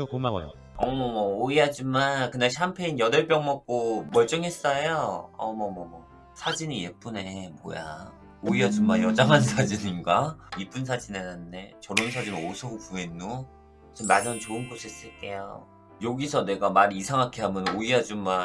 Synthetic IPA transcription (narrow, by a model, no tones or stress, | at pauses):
ʌmʌmʌoiɦad͡ʑimankɯnaɭɕʰiɦampʰe̞injʌdʌɭp͈jʌŋmʌk̚k͈omʌɭt͡ɕ͈ʌŋɦe̞s͈ʌjoʌ̰mʌmʌmʌ | sʰad͡ʑinije̞p͈une̞mo̰ja̰ | oijʌd͡ʑummajʌd͡ʑaŋɦansʰad͡ʑiɲiŋɡaip͈uns̬ʰad͡ʑinenannde̞t͡ɕʌɾonsʰad͡ʑinosʰʌpuenːo | sʰʌmːaɲʌnt͡ɕoɯnɡosʰes͈ɯɭk͈e̞jo̰ | joɡisʰʌne̞ɡamaɾiːsʰaŋɦakʰeɦamjʌnoijʌd͡ʑumma